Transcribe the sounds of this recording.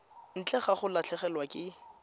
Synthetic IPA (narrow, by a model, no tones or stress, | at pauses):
n̩t͡ɬʼɛχaχʊlat͡ɬʰɛχɛlwakʼɪ